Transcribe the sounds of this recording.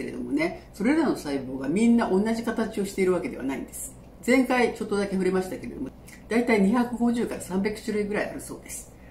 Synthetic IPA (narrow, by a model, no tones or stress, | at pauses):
eɾe̞̰d̪o̞̰mo̞ne̞so̞ɾe̞ɾano̞saibo̞ːɡamʲĩnːaʔõ̞nːaʑikat̪at͡ɕio̞ɕi̥t̪e̞iɾɯ̟β̞ake̞d̪e̞a̰naḭ̃nd̪e̞sɨ̥ | zẽ̞ŋkait͡ɕo̞t̪ːod̪ake̞ɸɯ̟ɾemaɕi̥t̪ake̞ɾe̞d̪omo | d̪̥ait̪aiɲ̟içakɯ̟ɡo̞ʑɨːkaɾasãmbʲakɯ̟̥ɕɨɾɯ̟iɡɯ̟ɾaia̰ɾɯ̟so̞̰ːd̪e̞sɨ̥